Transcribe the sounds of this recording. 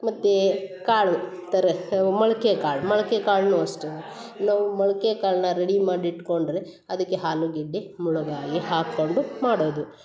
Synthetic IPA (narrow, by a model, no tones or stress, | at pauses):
mɐt̪ːekaːɭut̪ɐɾemɐɭɐkeɐkaːɭumɐɭɐkekaːɭnuːɐsʈu | naːʋumɐɭɐkeɐkaːɭnɐɾeɽimaːɽiʈːkoɳɖɾe | ɐd̪ɐkːeɦaːluɡiɖːemuɭuɡaːɡiɦaːkːoɳɖumaːɽoːd̪u